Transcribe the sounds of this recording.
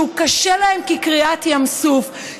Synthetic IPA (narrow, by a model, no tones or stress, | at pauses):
ukaʃelahemkikʁiat̪jamsuf